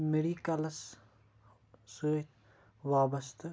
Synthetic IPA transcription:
meɾiːkɐlɐs | suːt̪ | ʋaːbɐst̪ɐ

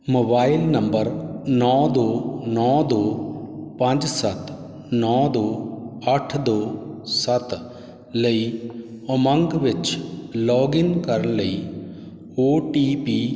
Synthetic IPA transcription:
moːbaːɪlnə̃mbəɾnɔːd̪oːnɔːd̪oːpɐ̃nd͡ʒsət̪ | nɔːd̪oːəʈʰd̪oːsət̪ | ləi | əmə̃ŋɡʋɪt͡ʃlɔːɡɪnkəɾəɳləiː | oːʈiːpiː

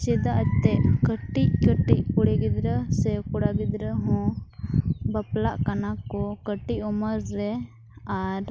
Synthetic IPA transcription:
t͡ʃɛd̪aʔəd͡ʒ̚t̪ɛʔkəʈic̚kəʈickuɽɛɡid̪ɾəsɛkuɽaɡid̪ɾəɦɔ̃ | bəplaʔkanakɔkəʈiʔɔməɾɾɛ | aɾ

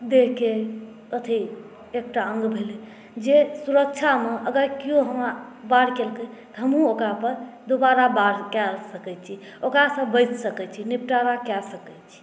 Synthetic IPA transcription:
d̪ekke | ət̪ʰi | ek̚ʈaəŋɡbʱele | d͡ʒesuɾək̚t͡ʃʰameəɡəɾkijoɦəmɾabaɾkelkət̪ɔɦəmɦũokɾapəɾd̪obaɾabaɽkɛlsəkɛt͡ʃʰi | okɾasə̃bəjt͡ʃsəkɛt͡ʃʰinipʈaɾakɛsəkɛt͡ʃʰi̥

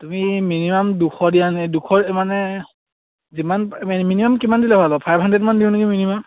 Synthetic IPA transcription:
tumiminimamdukʰɔdijanɛdukʰɔɹɛmanɛ | zimanɛminimamkimandilaɦalɔpʰajbʱɦandɹɛdmandiʊ̃nuɡiminimam

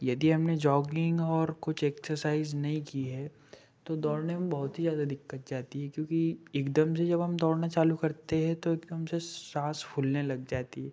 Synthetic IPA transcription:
jɐd̪iɦɐmned͡ʒɔːɡɪ̃ŋɡɔːɾkʊt͡ʃʰɛːksəɾsaːɪznɐɦĩkiɦɛ | t̪od̪ɔːɾnemẽbɐɦʊt̪ɦizjaːd̪ad̪ɪkːət̪̚d͡ʒaːt̪iɦɛkjõːkieːkd̪əmsed͡ʒɐbɦɐmd̪ɔːɾnat͡ʃaːlukɐɾt̪eɦɛ̃t̪oeːkd̪əmsesãːsfʰʊlnelɐɡ̚d͡ʒaːt̪iɦɛː

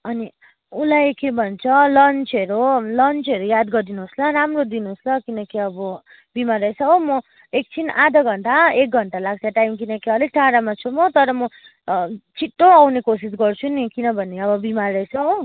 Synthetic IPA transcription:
ʌni | ulajkebʱʌnt͡sʰʌlʌnt͡seɾulʌnt͡sʌɾujad̪ɡʌd̪inuɦoslaɾamrod̪inuɦoslʌkinʌkiʌbʌ | bimarʌjsʰʌ̃mʌ | ek̚t͡sʰinʔad̪ʱʌɡʱʌɳʈaek̚ɡʱʌɳʈalaɡ̚t̪ʰjaʈajmkinʌkiʌliʈʰaɾamat͡sʰumʌt̪ʌɾʌmʌ | t͡sʰiʈːoawnekosis̬ɡʌrt͡sʰunikinʌbʱʌnːeʌbʌbimarːʌjsʰʌ̃

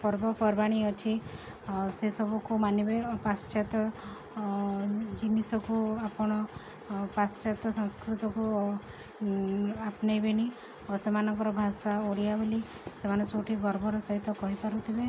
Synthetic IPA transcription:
pɔɾbɔpɔɾbaɽ̃iɔt͡ʃʰi | sesɔbɔkumanjibepast͡ʃat̪ɔ | d͡ʒinisɔkuapɔɽ̃ɔ | past͡ʃat̪ɔsɔ̃ŋskɾut̪ɔku | apnajbeɽ̃i | osemanɔŋkɔɾɔbʱasaoɽijabuli | semanesoʈʰiɡɔɾbʱɔɾɔsɔɦit̪ɔkɔɦipaɾut̪ʰibe

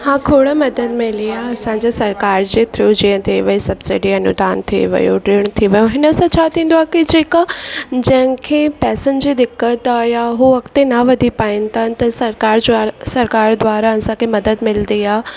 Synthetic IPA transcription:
hãːkʰoːɽəmɐd̪əd̪mɪliaːɐsãd͡ʑesɐɾkaːɾd͡ʑeːt̪ʰɾoːd͡ʑiːə̃t̪ʰiʋɐisɐbsɪɖiɐnṵd̪aːnt̪ʰiʋɐ̰jo̰ɖɾeːɽ̃t̪ʰiʋɐjõɦɪnəsãt͡ɕʰaːt̪ʰĩːn̆d̪oaːkid͡ʑeːkad͡ʑɐ̃ɦɪ̃kʰepɛːsənd͡ʑiːd̪ɪkːət̪ajaɦuʋɐkt̪enaʋɐd̪ʱipaːɪ̃nt̪ʰant̪ɐsɐɾkaːɾd͡ʑasɐɾkaːɾd̪waːɾaɐsãkʰemɐd̪əd̪mɪld̪iaː

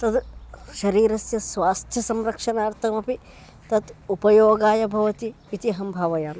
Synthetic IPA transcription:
t̪ɐd̪ʃɐɾiːɾɐsjɐsʋaːst̪ʰjɐsɐmɾɐkʂɐnaːɾt̪ʰɐmɐpi | t̪ɐt̪upɐjoːɡaːjɐbʱɐʋɐt̪iːt̪iɦɐmbʱaːʋɐjaːm

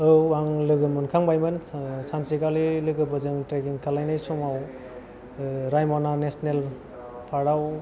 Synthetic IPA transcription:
ɯwaŋlɯɡɯmɯnkʰaŋbajmɯnsansikalilɯɡɯbɯzɯŋtɾekiŋkʰalajnajsɔmaw | ɾajmɔnanesnel | pʰaɾaw

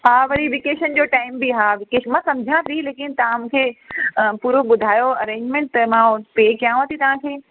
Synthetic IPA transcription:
ɦaːʋɐɾiʋɪkeːʃənd͡ʑoːʈaːɪmbiɦaːʋɪkeːʃmãsɐ̃md͡ʑʱãt̪ʰileːkɪnt̪ɐʋ̤ãmũːkʰeːəpuːɾoɓʊd̪ʱaːjoɐɾẽːɲd͡ʑmẽɳʈ̚t̪ɐmãpeːkijãɦət̪ʰit̪ɐʋ̤ãkʰeː

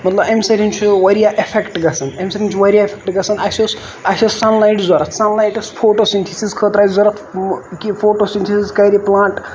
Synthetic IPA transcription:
mɐt̪lɐbemsɐɾint͡ʃʰiʋɐɾijaʔepʰekʈɡɐsɐnemsɐɾʲint͡ʃʰʋɐɾʲijaepʰek̚ʈɡɐsɐnɐsos | ɐsʲɐsɐnlajʈzoɾɐsɐnlajʈɐspʰoːʈosint̪ʰisizkʰəːt̪ɾajzɐɾɐkkifʰoːʈosinʲt̪ʰisizkɐɾiplãːɳʈ

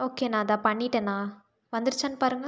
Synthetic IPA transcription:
oːkeːnãːðãːpɐɳːɪʈːɐnãː | ʋɐnd̪ɯɾɯt͡ʃːaːnːɯpaːɾɯŋɡɐ

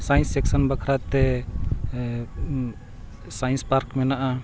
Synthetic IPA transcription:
sajnsɛksɔnbakʰɾat̪ɛ | sajnspaɾkmɛnaʔa

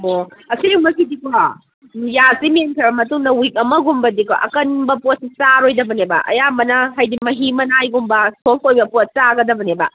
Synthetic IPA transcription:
boɐsiumɐkidika | jasimenkʰɐbɐmɐtuŋdɐwik̚ɐmɐɡumbɐdika̰ʔɐ̰kɐnbɐpot̚sit͡ʃaɾojdɐbɐnebɐ̰ʔɐ̰jamɐnɐɦɐjdimɐɦimɐnajɡumbɐsʰoŋojbɐpot̚t͡ʃaɡɐdɐbɐnebɐ

